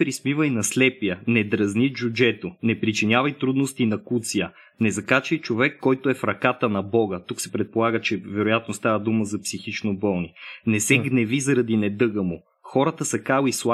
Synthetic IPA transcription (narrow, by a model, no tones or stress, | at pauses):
pɾismivəjnɐslɛpijənɛd̪ɾɐznid͡ʒud͡ʒɛt̪onɛpɾit͡ʃinʲjavɐjt̪ɾud̪nost̪inɐkut̪sijə | nɛzɐkat͡ʃijt͡ʃovɛkːɔjt̪oɛfɾɐkat̪ənɐbɔɡət̪uksɛ̥pɾɛt̪̚polˠaɡət͡ʃɛvɛɾʊjat̪nost̪avəd̪uməzɐpsixit͡ʃnobɔlˠninɛsɛɡnɛvizɐɾɐd̪inɛd̪ɤɡəmo | xɔɾət̪əsɐkalislˠa